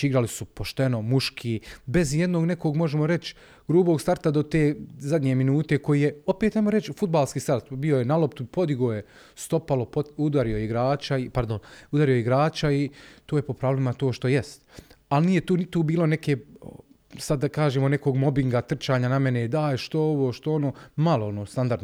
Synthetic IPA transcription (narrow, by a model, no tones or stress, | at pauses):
iɡɾalisupo̞ʃt̪eno̞muʃkʰibe̞zje̞d̪no̞ːɡne̞koɡmo̞ʒemo̞ɾe̞t͡ʃ | ɡ̥ɾuːboːɡst̪aɾt̪ad̪o̞t̪eːzad̪ɲeminuːt̪e̞ko̞jiːjeo̞peːt̪ajmoɾe̞t͡ʃfud̪̚baːlˠskiːst̪aɾt̪biojenalˠopt̪upo̞d̪iɡoːje | st̪o̞palˠo̞poud̪aɾio̞jeiɡɾaːt͡ʃaipaɾd̪onud̪aɾijoeiɡɾaːt͡ʃait̪oːjepo̞pɾaːʋlimat̪o̞ːʃt̪o̞jest̪alniːjet̪uːnit̪uːbiːlˠo̞ne̞ke | sad̪ːakaːʒeːmo̞neko̞ːɡmo̞biŋɡat̪r̩t͡ʃaːɲaname̞ned̪aːjʃt̪oeoʋoːʃt̪oono̞ːmalˠoonoːst̪and̪aɾd̪